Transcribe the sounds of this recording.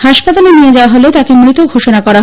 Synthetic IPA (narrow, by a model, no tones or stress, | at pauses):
haʃpat̪alenied͡ʑaoaɦolet̪akemɾit̪oɡʱoʃonakɔɾaɦ